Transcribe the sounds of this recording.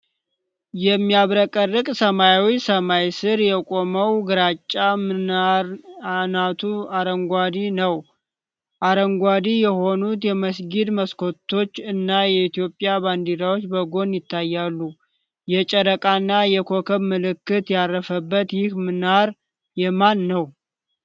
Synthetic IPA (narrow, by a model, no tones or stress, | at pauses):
jɛmːijaβɾəkʼərːɨkʼsəmajawisəmajsɨɾjɛkʼo̞məwɡɨɾat͡ʃʼːamɨnaɾnat̪ʰuaɾəŋɡʷad̪inəw | ʔaɾəŋɡʷad̪ijɛho̞nut̪jɛməsɡid̪məsko̞t̪ʰːo̞t͡ʃːɨnːajɛit̪ijo̞pʼːjaband̪iɾawot͡ʃːbəɡo̞njɪt̪ʰːajːalːu | jɛt͡ʃʼəɾəkʼanːajɛkʰo̞kʰəβmɨlɨkːɨt̪jarːəfəbːət̪jɪhmɨnaɾ | jɛmanːəw